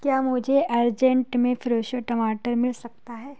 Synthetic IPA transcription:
kjaːmʊd͡ʒʱeʔɐɾd͡ʒẽɳʈmẽfɾoːʃəʈɐmaːʈəɾmɪlsɐk̚t̪aɦɛː

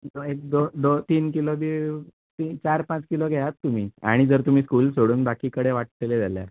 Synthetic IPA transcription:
d̪oek̚d̪od̪ot̪iːnkilod̪i | t̪it͡ɕaɾpãt͡skiloɡʱejat̪ːum̤iːa̰ɽ̃id͡zəɾt̪um̤iːskuːlsoɽuːnbakiːkəɽeʋaʈ̚leled͡zalja̰

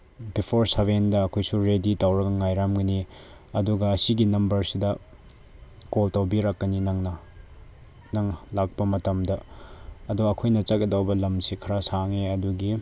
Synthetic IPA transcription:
bipʰoɾsɐβendɐːkʰojsuɾeditawɾɐɡɐŋajɾamɡɐni | ɐduɡɐːsiɡinɐmbɐɾsidɐ | koltɐwbiɾakːɐninɐŋnɐ | nɐŋlak̚pɐmɐtɐmdɐɐduɡːkʰojnɐt͡ʃɐkɡɐdɐwbɐlɐmsikʰɐɾasaŋeɐduɡi

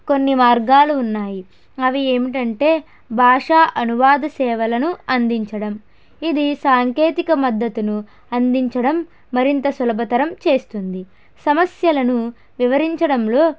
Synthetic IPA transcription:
konːimaːɾɡaːluːnːaːji | ɐʋie̞ːmiʈ̬ɐɳʈe̞ː | bʱaːʂaːʔɐnuʋaːd̪ɐsɛːʋɐlɐnuɐnd̪iɲt͡ʃɐɽɐm | id̪isaːŋke̞ːt̪ikɐmɐd̪ːɐt̪unu | ɐnd̪iɲt͡ʃɐɽɐmː | ɐɾint̪ɐsulɐbʱɐt̪ɐɾɐmt͡ʃe̞ːst̪und̪i | sɐmɐsjɐlɐnu | ʋiʋɐɾiɲt͡ʃɐɽɐmlo̞ː

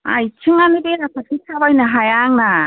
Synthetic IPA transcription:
a̰jit͡ʃʰɯŋanɯbeɾapʰakʰitʰabajnɯɦajaŋna

